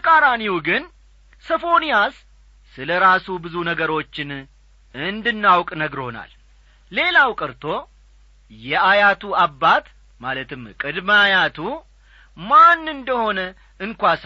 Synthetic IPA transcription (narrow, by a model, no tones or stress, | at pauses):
əkʼaɾaniwuɡɨn | səfo̞nijasː | ɨləɾasubɨzunəɡəɾo̞t͡ʃːɪn | ɨnd̪ɨnːawkʼnəɡɾhona̰lː | e̞lawkʼɨɾt̪ʰo̞ | jɛajat̪ʰuabːat̪ | malət̪ʰɨmkʼɨd̪məajat̪ʰu | manːɨnd̪əho̞nə | ɨŋkʷas